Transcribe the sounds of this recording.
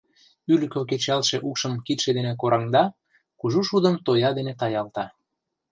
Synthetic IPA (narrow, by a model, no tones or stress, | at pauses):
yləkoket͡ɕɑlʃeʔukʃəmkit̪ʃed̪enek̬oɾʔɑŋd̪ɑ | kuʒuʃud̪əmt̪ojɑd̪enet̪ɑjɑlt̪ɑ